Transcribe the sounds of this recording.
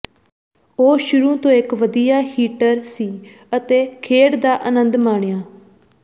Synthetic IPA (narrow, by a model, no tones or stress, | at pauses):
oːʃʊɾuːt̪õːɪkʋəd̪ijaːhiːʈəɾsiː | ət̪eːkʰeːɽd̪aːʔənənd̪maːɳ̃ejaː